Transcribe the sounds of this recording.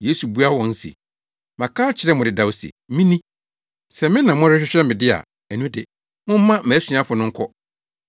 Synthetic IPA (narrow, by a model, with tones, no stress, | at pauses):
je˦su˨bu˦a˦wɔ̃˨n̩˦sḭ˨ | mã˨kʰaː˦t͡ɕʰɪ˨˦ɾɛ˦mʊ̃˨ɪ˨da˨wsḭ˨mĩ˦nĩ˦ | sɛ˨mɪ̃˦nã˨mʊ̃˦ɾɪ˦ɕᶣɪ˦ɕᶣɛ˦mɪ̃˨dɪ˦a̰˨ | æ˨nũ˦dɪ˨ | mʊ̃˦m̩˦mã˦mɛ̃˨˦su˦ã˦fʊ˨nʊ̃˦ŋ̩˦kʰɔ˦